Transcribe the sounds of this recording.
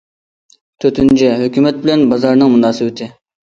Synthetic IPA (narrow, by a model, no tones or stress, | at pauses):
t̪ʰøt̪ʰynt͡ʃʰɛɦøkʲymɛt̪̚bɪlɛnbɑzɑɾnɨŋmunɑːsɨbɪt̪ʰɪ